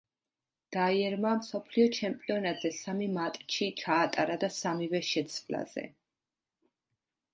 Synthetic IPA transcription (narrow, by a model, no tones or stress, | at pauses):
d̪̥aiɛɾmamsɔpʰliɔt͡ʃʰɛmpʼiɔnat̪ʼz̥ɛsamimat̪ʼt͡ʃʰit͡ʃʰaːt̪ʼaɾad̪asamivɛʃɛt̪sʰvla̰z̥ɛ̰